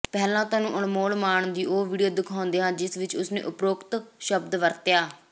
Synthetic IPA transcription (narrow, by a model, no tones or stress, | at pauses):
pɛːlãːt̪aːnũːʔʊɳmoːlmaːɳd̪iːʔoːʋiːɖijoːd̪ɪkʰaːʊnd̪eːɦãːd͡ʒɪsʋɪt͡ʃʊsnḛːʔʊpɾoːkt̪ʃəb̚d̪ʋəɾt̪jaː